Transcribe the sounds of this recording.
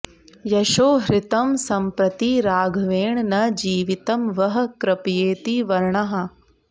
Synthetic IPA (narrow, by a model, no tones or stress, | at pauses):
jɐʃoːɦɾɪt̪ɐmsɐmpɾɐt̪iɾaːɡʱʋeːɳnɐd͡ʒiːʋit̪ɐmʋɐɦɐkɾɐpjeːt̪iʋɐɾɳɐɦɐ̆